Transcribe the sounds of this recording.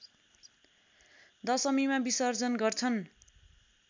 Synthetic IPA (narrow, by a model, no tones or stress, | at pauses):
d̪ʌsʌmimabisʌrd͡zʌnɡʌrt͡sʰʌn